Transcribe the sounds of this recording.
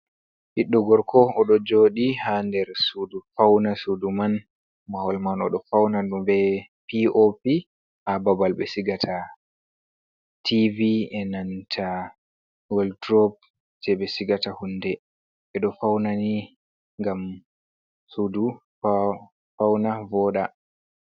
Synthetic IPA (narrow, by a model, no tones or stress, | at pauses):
hiɗːɔɡɔɾkʰɔːɗɔd͡ʒoːɗihandɛɾsudufawnasuduman | mawɔlmanɔɗɔfawnaɗumbɛ | piopi | ʔababalɓɛsiɡatʰa | tʰiviɛnantʰa | wɛldɾɔp̚ | d͡ʒɛɓɛsiɡatahunːdɛ | ɛɗɔfawnani | ŋɡam | sudu | fawnavɔɗa